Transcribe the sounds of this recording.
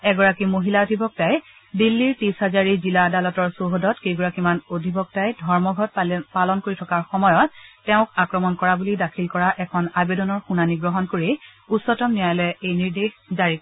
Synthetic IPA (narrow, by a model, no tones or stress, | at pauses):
ɛɡɔɹakimoɦilaodʱibɔk̚taj | dilːiɹtisɦazaɹiziladalɔtɔɹsoɦodɔtkejɡɔɹakimanodʱibɔk̚tajdʱɔɹmɔɡʱɔt̚palɔnkoɹitʰɔkaɹxɔmɔjɔt̚ːɛʊ̃kakɹɔmɔnkɔɹabulidakʰilkɔɹaʔɛkʰɔnabedɔnɔɹxunaniɡɹɔɦɔnkoɹiusːɔtɔmnijajlɛejniɹdexzaɹik